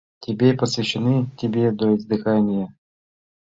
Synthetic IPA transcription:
tʲɪbʲepəsvʲɪɕːɪnɨtʲɪbʲed̪oɪzd̪ɨxanʲɪjə

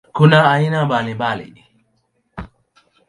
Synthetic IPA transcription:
kunaːinambalimbalḭ

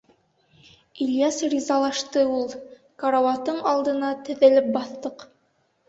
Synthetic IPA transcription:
iljasrʲizɑlˠɑʃt̪ɤulˠ | kɑɾɑwɑt̪ɤɴɑlˠd̪ɤ̆nɑt̪ɘ̆ðæ̆lɘp̚bɑθːɤq

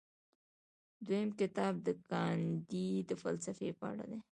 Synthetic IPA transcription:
d̪wojəmkɪt̪ɑb̚d̪əkɑnd̪id̪əfalsafepəa̰ɽa̰d̪e

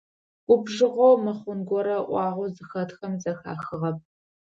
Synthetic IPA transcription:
kʷʊbʒɨʁʷowmɨχʷʊnɡʷɔɾɐʔʷɑːʁʷɔzɨxɐtxɐmzɐxa̰ːxɨʁɐp̚

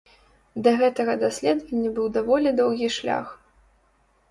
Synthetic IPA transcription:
d̪ɐɣɛt̪ɐɣɐd̪asʲlʲɛd̪vɐnʲːɐbɨwd̪avɔlʲid̪ɔwɣʲiʂlʲa̰x

